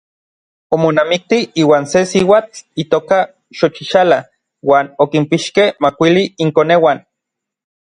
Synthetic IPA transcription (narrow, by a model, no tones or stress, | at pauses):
omonamik̚t̪iiːwaːnsesiwaːt͡ɬit̪oːka | ʃot͡ʃiʃala | waːnokimpiʃkehmakʷiliːŋkonewan